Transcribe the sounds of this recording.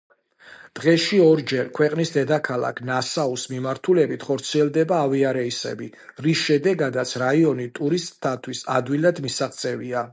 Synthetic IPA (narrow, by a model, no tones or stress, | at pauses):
d̪̥ʁɛʃiɔɾd͡ʒɛɾkʰwɛqʼnisd̪ɛd̪akʰalˠa̰kʰnasausmimaɾt̪ʰulɛbit̪ʰχɔɾt̪sʰiɛlˠd̪ɛbaːviaɾɛisɛ̰bi | ɾisʃɛd̪ɛɡad̪at̪sʰɾaiɔnit̪ʼuɾist̪ʼt̪ʰːat̪ʰwisa̰d̪wilˠad̪misaχt̪sʼɛvia